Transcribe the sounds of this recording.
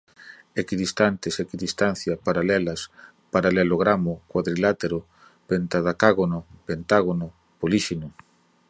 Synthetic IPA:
ekiðist̪ant̪esekiðist̪anθjapaɾalɛlɐs | paɾalɛloɣɾamʊkwaðɾilat̪eɾʊ | pent̪aðakaɣonʊpent̪aɣonʊ | poliʃino

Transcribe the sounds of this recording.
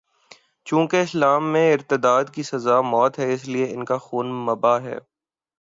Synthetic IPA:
t͡ʃũːkeɪslaːmːẽɪɾt̪ɪd̪aːd̪kisɐzaːmɔːt̪ɦɛɪslieɪnkaxuːnmɐbaɦɛ̰ː

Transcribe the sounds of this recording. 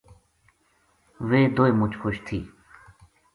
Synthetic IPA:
ʋeːd̪oːeːmʊt͡ʃʰxoʃt̪ʰiː

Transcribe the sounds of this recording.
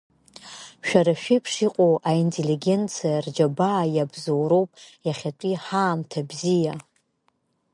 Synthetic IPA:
ʃᶣaɾaʃᶣipʰʂiqʷʼowʔaintʰʼeliɡʲe̞nt͡sʰijard͡ʒabaːjabzowɾo̞wpʼjaχʲatʷʼiħaːmtʰabzija

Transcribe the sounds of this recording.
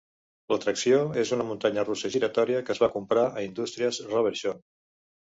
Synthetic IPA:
lət̪ɾəksioezunəmunt̪aɲərusəʒiɾət̪ɔɾiəkəzβakumpɾaʔəind̪ust̪ɾiəzrəβ̞əɾʒon

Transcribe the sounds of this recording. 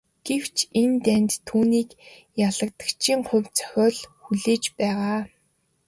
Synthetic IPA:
ɡ̥ew̥t͡ɕʰent̪ænʲt̪ʰːuːniːk | jaɮə̆k̚t̪ə̥̆kt͡ɕʰiːŋχʊ̟wʲt͡sʰœ̥xʲɔːɮxuɮeːt͡ɕpæːʁaː

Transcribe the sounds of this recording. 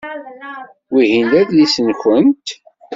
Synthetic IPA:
wiɦinlæðlisənçənt̪

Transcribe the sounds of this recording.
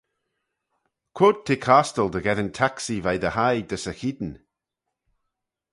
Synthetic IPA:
kʰwoːd̚t̪ʰeːkʰaːstəlˠdəɡɛðəntʰaksivajðəhajd̪əsəxid̪n̩

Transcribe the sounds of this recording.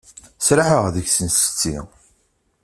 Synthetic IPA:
sɾaħəʁðəçsənst͡sːḭ

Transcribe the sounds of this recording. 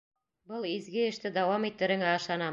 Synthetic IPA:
bɤlˠizɡɘɘ̆ʃt̪ɘd̪ɑwɑmit̪ːɘ̆ɾɘ̆ŋæɑʃlˠɑnɑ

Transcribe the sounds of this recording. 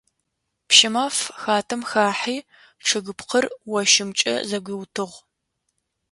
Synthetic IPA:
pʃɪmaːfxaːtʰɐmxaːħiː | ʈ͡ʂʰɨɣɨpqʰərwɐʃɪmt͡ʃʼɐ̰zɐɡʷiwtʰɨʁʷ

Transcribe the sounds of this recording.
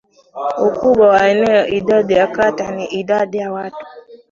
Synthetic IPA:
okuɓawaɛnɛidadijakataniʔidadijawatu̥

